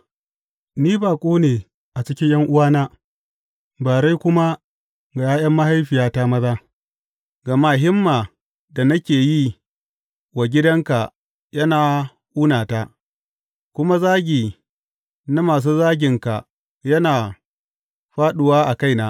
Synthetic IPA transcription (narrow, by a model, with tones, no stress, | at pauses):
niː˦baː˨kʷʼuː˦neː˨ | ʔa˨t͡ʃɪ˦kʲɪ˦ɲjʔɐ˦ŋʔʊ˦waː˦naː˦ | baː˨ɾa˦jkʷʊ˦ma˦ | ɡa˨jaː˦j̰ɐ˦mːɐ˦ha˦jɸɪ˨jaː˦ta˦mɐ˦zaː˦ | ɡa˨ma˦ɦɪ˦mːaː˨ | da˨nɐ˦kʲeː˨ji˦ | wa˨ɡʲɪ˦dɐ˦ŋka˨ | jɐ˦naː˨ | ʔuː˦naː˨ta˦ | kʷʊ˦ma˦zaː˦ɡʲiː˨ | na˦maː˨s̬uː˦zaː˦ɡʲɪ˨ŋka˨ | jɐ˦naː˨ | ɸaː˦ɗʊ˨waː˦ʔa˨ka˦jnaː˦